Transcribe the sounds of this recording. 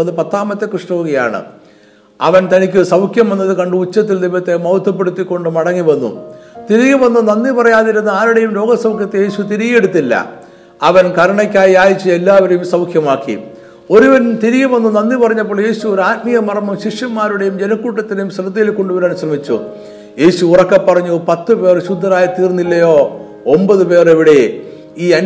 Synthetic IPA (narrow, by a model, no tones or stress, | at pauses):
ɐðɨpɐt̪ːaːmɐt̪ːe̞krɨʂʈɐʋuɣɐja̰ːɳɨ̰ | ɐ̰ʋɐnt̪ɐnikʲːɨsɐwkʰjɐmʋɐnːɐðɨkɐɳɖɨut͡ɕːɐt̪ːild̪imːɐt̪ːe̞mɐwt̪ʰːɐp̬ːe̞ɽut̪ːikʲːo̞ɳɖɨmɐɽɐŋːiʋɐnːṵt̪iɾiɣɐmʋɐnːunɐnːipɐrɐjaːðiɾunːɐaːɾuɽe̞jumlo̞ːɡɐsɐwkʰjɐt̪ːeje̞ːɕut̪iɾiɣje̞ɽut̪ːilːɐ̰ | ɐʋɐnkɐɾɐɳɐkʲːaːjiaːjit͡ɕːɨe̞lːaːʋɐɾejumsɐwkʰjɐmaːkːḭ | o̞ɾuʋɐnt̪iɾiɣɐmʋɐnːunɐnːipɐrɐɲːɐp̬ːoːɭje̞ːɕuoɾaːtmijɐmɐrɐmɐmɕiʂjɐmaːɾuɽe̞jumd͡ʑenɐkːuːʈːɐt̪ːinejumsrɐd̪ɐjilko̞ɳɖuʋɐɾɐnuɕɐrɐmit͡ɕːṵ | je̞ːɕuurɐkːɐpːɐrɐɲːupɐt̪ːɨpe̞ːrɕud̪ʱːɐɾaːjɐt̪iːrnːilːɐjo̞ː | ombɐðɨpe̞ːreʋiɽe | iːɐn